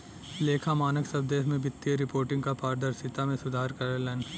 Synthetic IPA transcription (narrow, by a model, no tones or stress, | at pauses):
leːkʰamaːnəksɐb̚d̪eːɦmẽbɪt̪ːijəɾɪpoːɾʈɪ̃ŋɡkapaːɾd̪əɾsɪt̪amẽsʊd̪ʱaːɾkɐɾəlɛn